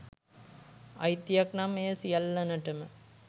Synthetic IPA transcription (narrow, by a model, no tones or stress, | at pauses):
ɐjt̪ːjɐknameːsijɐlːɐnɐʈɐmɐ